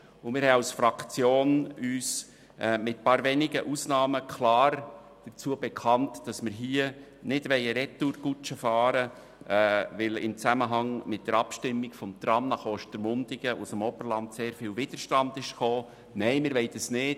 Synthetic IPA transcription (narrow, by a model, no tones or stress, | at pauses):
ʊmɪːɾhɛasfɾɑkt͡sjoːnyːs | ɛmɪt̚pɑːɾʋɛnɪɡə̰ʔusnɑːməkʰlɑːɾ | d̥ət͡suːəbɛkʰɑntd̥ɑsmɪɾɦiə | nɪdʋɛɪəɾɛtːuɾɡut͡ʃəfɑːɾə | ʋɪlɪ̰mt͡sæməɦɑŋmɪt̚d̥əɾɑpʃtɪmːɪɡfɔmt̪ɾɑmnɑχoːʃtəɾmʊndɪɡəʔusəmɔbəɾlɑndseːɾfɪːlvɪd̥əɾʃtɑndɪʃχoː | nɛɪmɪɾʋɛɪdəsnɪt